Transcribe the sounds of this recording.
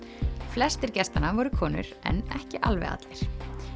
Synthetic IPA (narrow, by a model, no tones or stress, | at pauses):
flɛst̪ɪɾcɛst̪anːavɔɾʏkʰɔːnʏ̰ɾɛ̰nɛhcɪʔalvɛ̰ɣa̰t̪lɪɾ̥